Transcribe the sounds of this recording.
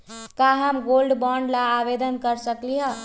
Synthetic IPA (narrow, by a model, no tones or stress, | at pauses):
kaɦəmɡolɖbɔɳɖlaːbed̪ənkəɾsəkliɦə